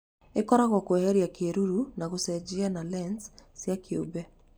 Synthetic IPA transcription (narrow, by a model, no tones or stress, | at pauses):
ekɔɾaɣwakwɛhɛɾiakeɾuɾunaɣusɛd͡ʒianalɛnssjakiubɛ